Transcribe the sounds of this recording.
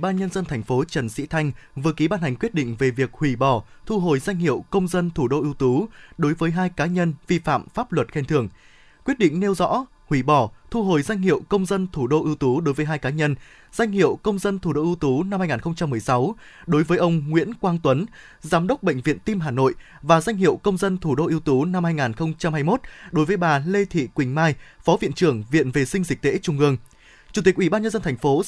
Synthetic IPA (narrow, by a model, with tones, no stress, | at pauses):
ɓaː˧nɲə˧nzə˧nt̪ʰɛ˨˩ŋ̟fo˨˦t͡ɕə˨˧˩nsḭ˧˥t̪ʰa˧jŋ̟vɨ˨˩əki˨˦ɓaː˧nha˨˩jŋ̟kwi˦˥t̚ɗḭ˧˨ŋ̟ve˨˩vi˨˩ək̚hwi˧˩ɓɔ˨˩t̪ʰu˧ɦo˨˩jza˧jŋ̟hḭ˧˨əwkə˧wŋ͡mzə˧nt̪ʰu˧˩ɗo˧ʔi˧əwt̪u˨˦ɗo˨˦jvəː˨˦jɦaː˧jkaː˨˦ɲə˧nvi˧fa̰ː˧˨mfaː˦˥p̚lwə˨˩t̚xɛ˧nt̪ʰɨ˨˧˩əŋ | kwi˦˥ət̚ɗḭ̈˧˨ŋ̟ne˧wzɔ̰˧˥ | hwi˧˩ɓɔ˧˩t̪ʰu˧ɦo˨˩jza˧jŋ̟hḭ˧˨əwkə˧wŋ͡mzə˧nt̪ʰu˧˩ɗo˧ʔi˧əwt̪u˨˦ɗo˨˦jvəː˨˦jɦaː˧jkaː˨˦ɲə˧n | z̥a˧jŋ̟hḭ˧˨əwkə˧wŋ͡mzə˧nt̪ʰu˧˩ɗo˧ʔɨ˧wt̪u˨˦na˧mhaː˧jŋaː˨˩ŋxə˧wŋ͡mt͡ɕa˧mːɨ˨˩əjsa˨˦w | ɗo˨˦jvəː˨˦jʔə˧wŋ͡mŋwḭ˧˥ənkwaː˧ŋt̪wə˨˦n | zaː˨˦mɗə˦˥wk͡p̚ɓə̰˧˨ŋ̟vḭ˧˨ənt̪i˧mɦaː˨˩no̰˧˨j | vaː˨˩zwa˧jŋ̟ɦḭ˧˨əwkə˧wŋ͡mzə˧nt̪ʰu˧˩ɗo˧ʔi˧əwt̪u˨˦na˧mhaː˧jŋaː˨˩nxə˧wŋ͡mt͡ɕa˧mhaː˧jmo˦˥t̚ɗo˨˦jvəː˨˦jɓaː˨˩le˧t̪ʰḭ˧˨kwï˨˩ŋ̟maː˧jfɔ˨˦vḭ˧˨ənt͡ɕɨ˧˩əŋvḭ˧˨ənve˨˩sï˧ŋ̟zï̟˨˩t̪ḛ˧˥t͡ɕʊ˨˩ŋ͡mʔɨ˧˩əŋ | t͡ɕu˨˩t̪i˨˩k̚ʔi˧˩ɓaː˧nɲə˧nzə˧nt̪ʰɛ˨˩ŋ̟fo˨˦